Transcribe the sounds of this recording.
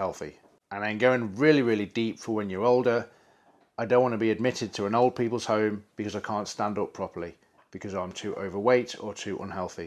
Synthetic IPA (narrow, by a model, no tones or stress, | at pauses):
hɛlˠθḭ | ʔə̃nə̃nɡoʊɪ̃ŋɹɪəliɹɪːlˠidiˑpfəwə̃njəɹoʊlˠdə | ʔaɪdõʊ̃nʔwɒ̃nəbiəd̚mɪtɪd̚tʰəə̃noʊlˠd̚pʰiˑpəlˠz̥hõʊ̃mb̥ɪkʰʌzaɪkʰɑ̃ˑntstãndʊpʰɹ̥ɒpəli | b̥ɪkʰʌzãɪ̃mtʰʉːʔə̰ʊvəweɪtə̰tʰʉːʔə̰̃nɦɛlˠθi